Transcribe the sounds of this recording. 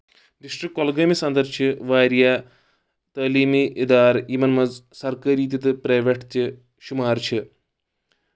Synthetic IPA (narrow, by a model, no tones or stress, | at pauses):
ɖisʈrikːolɡɐmisɐnd̪ɐɾt͡ʃʰɨʋaːɾja | t̪ɐːliːmiʔid̪aːɾimɐnmɐzsɐrkɐɾiːt̪̬ʲjɐt̪ɨpɾɐjʋeʈt̪ɨ | ʃumaːrt͡ʃʰɨ